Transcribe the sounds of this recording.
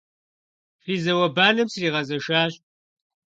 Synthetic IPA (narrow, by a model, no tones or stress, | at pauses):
fiːzɐwɐbaːnɨmsriːʁɐzɐʃaːɕ